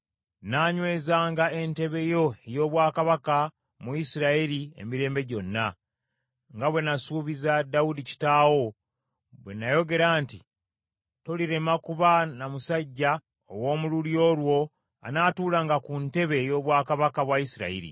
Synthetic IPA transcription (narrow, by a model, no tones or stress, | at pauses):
naːɲwe̞ːzaːŋɡae̞nte̞βe̞jo̞ejo̞ːβwaːkaβaka | muisiɾaiɾie̞̰miɾe̞ːmbe̞ɟo̞nːa | ŋɡaβwe̞nasuːβizadawudici̥taːwo̞ | βwe̞̰najo̞ɡe̞ɾaːnti | to̞liɾe̞makuβanamusaɟːa | o̰wo̞ːmululjo̞ːlwo̞ | a̰naːtuːlaŋɡakunte̞βe̞jo̞ːβwaːkaβakaβwaisiɾa̰ḭɾḭ